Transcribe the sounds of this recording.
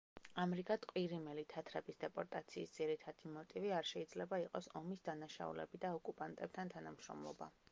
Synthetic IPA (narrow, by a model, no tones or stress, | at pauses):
amɾikʼat̪ʼqʼwiɾimɛlit̪ʰat̪ʰɾɛbisd̪ɛpʼɔɾt̪ʼat̪sʰiːsd̪z̥iɾit̪ʰad̪̥imɔt̪ʼiviaɾʃɛid̪zlɛbaiqʼɔsɔmisd̪anaʃa̰ṵlɛ̰bid̪aɔkʼupʼant̪ʼɛp̚t̪ʰant̪ʰanamʃɾɔ̰mlˠɔ̰ba̰